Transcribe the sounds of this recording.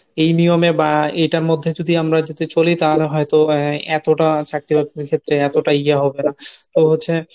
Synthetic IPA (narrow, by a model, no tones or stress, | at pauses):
ejnijomebaejʈaɾmod̪ʱːed͡ʑod̪ʱiamɾad͡ʑet̪et͡ɕolit̪aɾɦɔet̪oɛt̪oʈat͡ɕak̚ʈibakeɾkʰet̪ːɾeɛt̪oʈaiaɦɔbenat̪oɦotːɕʰe